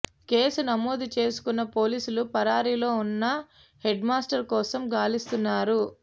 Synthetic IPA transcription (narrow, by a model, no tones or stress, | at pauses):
ke̞ːsunɐmoːd̪ut͡ʃe̞ːsu̥kunːɐpo̞ːliːsulupɐɾaːɾilo̞ːunːɐ | he̞ɖmaːsʈɐɾkɔːsɐmɡaːlist̪unːaːɾu